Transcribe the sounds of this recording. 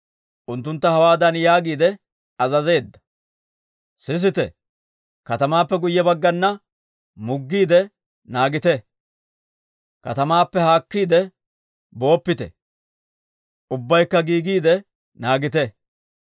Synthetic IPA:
ʔʊnt̪ːʊnt̪ːɐhɐwaːd̪ɐnjaːɡiːd̪ɛ | ɐzɐze̞ːd̪ːɐ̥ | sɪs̬ɪt̪ɛ | kɐt̪ɐmaːpːɛɡʊjːɛbɐɡːɐnːɐ | mʊɡːiːd̪ɛ | naːɡɪt̪ɛ | kɐ̰t̪ɐmaːpːɛhaːkːiːd̪ɛ | bo̞ːpːɪt̪ɛ̰ | ʔʊbːɐjkːɐɡiːɡiːd̪ɛ | naːɡɪt̪ɛ

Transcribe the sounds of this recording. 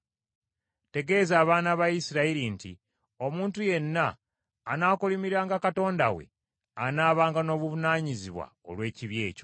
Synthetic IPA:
te̞ɡe̞zaːβaːnaβajisiɾaiɾintḭ | o̞muːntuje̞nːaː | naːkulimiɾaːŋɡakato̞ːndawe̞̰ | anaːβaːŋɡano̞ːβuvunaːɲiziβwa̰o̰lwe̞ːciβje̞ːco

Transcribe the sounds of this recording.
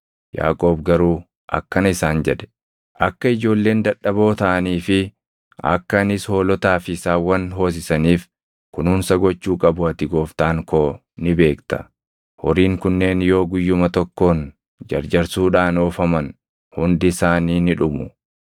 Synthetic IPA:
ja̰ːkʼo̞ːbɡɐɾuː | ʔɐ̰kːɐnɐɪsaːnd͡ʒɛᶑɛ̥ | ʔɐkːɐɪd͡ʒo̞ːlːe̞ːnd̪ɐᶑːɐbo̞ːt̪ɐʔɐniːfɪ | ɐ̰kːɐnɪsho̞ːlɔt̪aːfɪsaːwɐnɦo̞ːs̬ɪsɐniːf | kʊnhʊːnsɐɡɔt͡ʃːuːkʼɐbʊɐt̪ɪɡo̞ːft̪aːŋkoː | nɪbe̞ːkt̪ɐ̥̰ | hɔɾiːŋkʊnːe̞ːnjo̞ːɡʊjːʊmɐt̪ɔkːo̞ːn | d͡ʒɐ̰ɾd͡ʒɐɾsuːᶑaːno̞ːfɐmɐn | hʊnd̪ɪsaːniːnɪᶑʊmʊ

